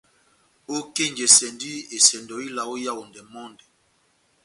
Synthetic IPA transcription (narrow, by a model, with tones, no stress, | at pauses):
o˦ke˦˨ɲd͡ʒɛ˨sɛ˨ndi˦e˨sɛ˨ndɔ˨i˦la˨o˦ja˦˨wo˨ndɛ˨mɔ˦ndɛ˨